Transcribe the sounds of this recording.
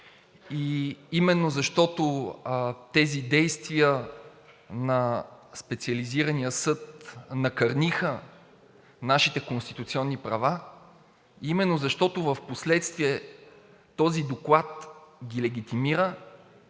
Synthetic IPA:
iimɛnːozɐʃt̪ɔt̪o | t̪ɛzid̪ɛjst̪vijə | nɐspɛt̪siəliziɾənijəsɤt̪nɐkɐɾnixə | naʃit̪ɛkõnst̪it̪ut̪siɔnːipɾɐva | imɛnːozɐʃt̪ɔt̪ʊvəfposlɛt̪st̪viɛ | t̪ɔzid̪oklˠat̪ɡʲilɛɡ̟ʲit̪imiɾə

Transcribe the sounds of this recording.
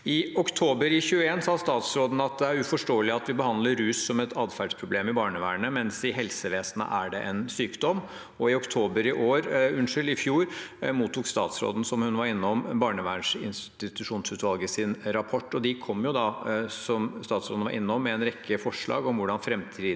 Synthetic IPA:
ɪɔkt̪ʰoːbəɾɪçʉːəeːnsɑːst̪ɑːt̪sɾoːd̪n̩ɑt̪̚d̪ɛæɾʉfɔʂʈoːəlɪɑt̪ʋɪbəhɑnd̪ləɾːʉːsːɔmɛt̪ʰɑːd̪fæɖʂpʰɾʊbleːmɪbɑːɳəʋæ̰ːɳəmɛnsɪɦɛlsəʋeːsnə̰ʔæɖɛʔɛnsyːkd̪ɔm | ɔɪɔkt̪ʰoːbəɾɪʔoːɾʉnʂʏlɪfjuːɾmuːt̪ʰːuːkst̪ɑ̰ːt̪sɾo̰ːd̪n̩sɔmhʉnʋɑɾɪnːɔmbɑːɳəʋæ̰ːəɳʂɪ̰nst̪ɪt̪ʉʂuːnsʉːt̪ʋɑlɡəsɪnɾɑpʰɔʈːɔd̪ɪkʰɔmːjʊd̪ɑsɔmst̪ɑːt̪sɾo̰ːd̪ʋɑɾʔɪ̰nːɔmːɛɛnɾɛkʰːəfɔʂɭɑ̰ːɡɔmʋʊɖɑnfɾɛmt̪ʰiː

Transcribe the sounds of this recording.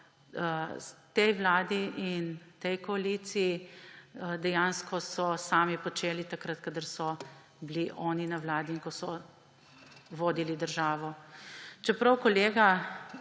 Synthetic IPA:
t̪ɛjʋlaːd̪iʔint̪ɛjkɔalit̪siji | d̪ɛjaːnskɔsɔsaːmipɔt͡ʃeːlit̪akɾat̪kad̪əɾsɔ | bliʔɔːninɐʋlaːd̪iiŋkɔsɔ | ʋoːd̪ilid̪əɾʒaːʋɔ | t͡ʃɛpɾɐwkɔleːɡa

